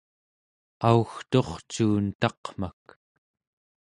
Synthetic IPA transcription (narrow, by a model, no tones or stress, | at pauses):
auxt̪o̞χt͡ʃuːnt̪ɑqm̥ak